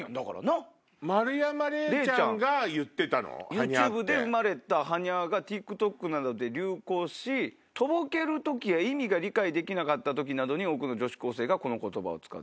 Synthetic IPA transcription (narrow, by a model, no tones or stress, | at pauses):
d̪aka̰ɾa̰na | maɾɯ̟jamaɾeɾeːãt͡ɕãŋɡajɯ̟t̪ːe̞t̪ano̰jɯaːɲɨːbɯ̟d̪e̞ɯmaɾe̞t̪aɦaɲ̟iaɡat̪ʲikɯ̟t̪o̞kːɯ̟nad̪o̞d̪e̞ɾʲɨːko̞ːɕi | t̪o̞bo̞ke̞ɾɯ̟t̪o̞kʲijaimʲiɡaɾʲikaid̪e̞kʲinakat̪ːat̪o̞k̬ʲinad̪o̞ɲ̟io̞ːkɯ̟no̞d͡ʑo̞ɕi̥ko̞ːse̞ːɡako̞no̞ko̞t̪o̞ba̰o̰t͡sɨ̥ka̰t̪ː